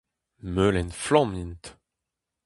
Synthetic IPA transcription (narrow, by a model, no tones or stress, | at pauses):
mølɛnflɑ̃mint̪